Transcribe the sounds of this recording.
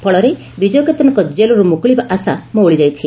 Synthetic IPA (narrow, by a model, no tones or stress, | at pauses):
pʰɔɭɔɾe | bid͡ʒɔjɔket̪ɔnɔkɔd͡ʒelɔɾumukɭibaʔasamũoɭid͡ʒajt͡ʃʰi